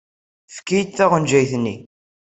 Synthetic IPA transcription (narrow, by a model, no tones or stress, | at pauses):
fkːijt̪θæʁənd͡ʒæjθnːi